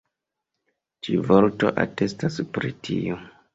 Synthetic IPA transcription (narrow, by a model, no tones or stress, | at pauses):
t͡ʃivoɾto̞̰ʔa̰te̞staspɾitʰio